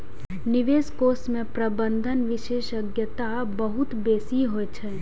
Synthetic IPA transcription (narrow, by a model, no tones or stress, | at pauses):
nɪʋeːskoːsmẽpɾəbə̃nd̪ʱənʋɪʃeːʃəɡjət̪a | bəɦʊt̪beːsiɦoet͡ʃʰɛː